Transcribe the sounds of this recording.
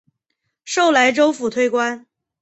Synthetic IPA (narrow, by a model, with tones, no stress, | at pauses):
ʂo˥˩ʊla˧˥ɪʈ͡ʂo˥ʊfu˨˩t̪ʰwe˥˧ɪkwa˥n